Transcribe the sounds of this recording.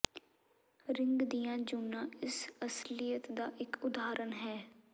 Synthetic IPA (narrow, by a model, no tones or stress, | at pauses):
ɾɪŋɡd̪ijãːd͡ʒuːnãːɪsəslɪjət̪d̪aːʔɪkʊd̪aːɾənɦɛː